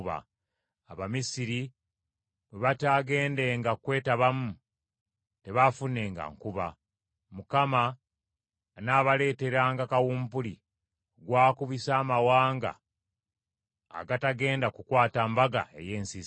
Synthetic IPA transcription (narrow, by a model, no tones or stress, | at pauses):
βa̰ | aβamisiɾi | βeβataɡe̞ːnde̞ːŋɡakwe̞ːtaβamu | te̞βafune̞ːŋɡa̰ŋkuβa | mukama | naːβale̞ːte̞ɾaːŋɡakawuːmpuli | oɡwaːkuβisaːmawaːŋɡa̰ | ɡataɡe̞ːndakukwaːtambaɡa̰e̞̰jeːnsiz